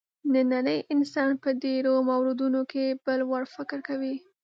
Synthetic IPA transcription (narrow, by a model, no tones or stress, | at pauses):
d̪ənaɾəjʔɪnsɑnpəd̪eɾomawɾɪd̪unokebəlwaɽfɪkɾkawi